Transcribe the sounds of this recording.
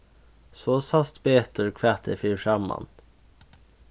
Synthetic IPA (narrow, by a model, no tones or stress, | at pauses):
soːsɑst̪beːt̪ɔɹkʰʋæt̪ʰəfiːʂɑmɑ̰n